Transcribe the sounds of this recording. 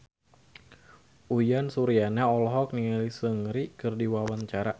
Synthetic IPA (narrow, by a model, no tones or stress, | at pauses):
ʔujansuɾianaɔlɔɦɔk̚niŋalisəŋɾikɨrdiwawant͡ʃaɾa